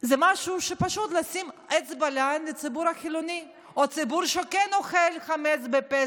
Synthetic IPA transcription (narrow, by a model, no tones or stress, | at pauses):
zɛmaʃuʃepaʃut̪lasimet͡sbalanlet͡sibuɾhaxiloni | ot͡sibuɾʃekɛnoχelχamet͡sbepe